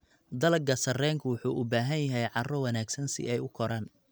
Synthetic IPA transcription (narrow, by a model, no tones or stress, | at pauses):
d̪ɐlɡɐsɐrɛːŋkʰʊwʊħuːʔʊbaːɦɐnjɐɦɛjʕɑrɔwɑnaːɡsɐnsɪ̰ʔɛjʊkʰɔɾaːn